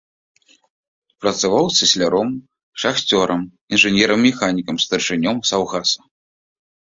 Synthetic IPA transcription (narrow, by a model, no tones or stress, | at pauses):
pɾɐt̪savawsɨsʲlʲaɾɔm | ʂaxt͡sʲɔɾʔɐm | inʐɨnʲɛɾɐmːʲɛxanʲikɐmst̪ɐrʂɨnʲɔmsawɣasɐ̥